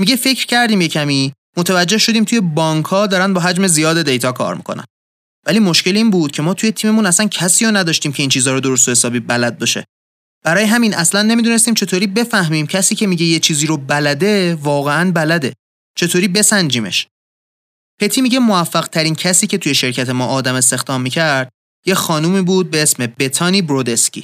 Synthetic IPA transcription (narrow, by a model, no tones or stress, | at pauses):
miɟe̞fe̞cʰɾcʰæɾd̪iːmjecʰæmiː | mot̪ʰævæd͡ʒːe̞hʃo̞d̪iːmt̪ʰuje̞bɒːŋkʰhɒːd̪ɒːɾænd̪bɒːɦæd͡ʒme̞zijɒːd̪ed̪ejt̪ʰɒːkʰɒ̰ːɾmḭkʰonæ̰n | væliːmoʃce̞liːnbuːd̪̥̚cʰe̞mɒːt̪ʰuje̞t̪ʰiːme̞munæsæncʰæsiːjonæd̪ɒːʃt̪iːmcʰe̞iːnt͡ʃʰiːzɒːɾod̪oɾos̬t̪ohesɒːbiːbælæd̪̚beʃḛ | b̥æɾɒːjeɦæmiːnʔæslænːemid̪unest̪iːmt͡ʃʰe̞t̪ʰoɾiːbe̞fæhmiːmcʰæsiːcʰe̞miːɟe̞jet͡ʃʰiːziːɾobælæd̪e̞vɒːɣe̞ænbælæd̪e̞ | t͡ʃʰe̞t̪ʰoːɾiːbe̞sænd͡ʒiːmḛʃ | pʰe̞t̪ʰiːmiːɟe̞moæfːæɣt̪ʰæɾiːncʰæsiːce̞t̪ʰujeʃe̞ɾcʰæt̪ʰe̞mɒːʔɒːd̪æme̞s̬t̪e̞xd̪ɒːmːiːcʰæɾd̪̥̚ | je̞xɒːnuːmiːbuːd̪̚be̞e̞smebet̪ʰɒːniːbɾod̪e̞scʰʲḭː